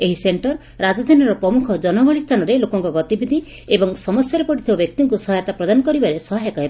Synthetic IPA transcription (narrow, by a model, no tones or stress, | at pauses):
eɦiseɳʈɔɾ | ɾad͡ʒɔd̪ʱanɔɾɔpɾɔmukʰɔd͡ʒɔnɔɡɔɭist̪ʰanɔɾelokɔŋkɔɡɔt̪ibid̪ʱi | ebɔŋsɔmɔsjaɾepɔʈit̪ʰibabjɔk̚t̪iŋkusɔɦjɔt̪apɾɔd̪anɔkɔɾibaɾesɔɦajak̪aeb